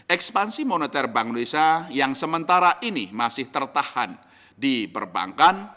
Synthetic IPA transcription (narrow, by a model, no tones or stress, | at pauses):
ʔɛkspansimonet̪ɛrbaŋlesajaŋsəmənt̪aɾaʔinimasɪht̪ərt̪ahan | dibərba̰ŋkan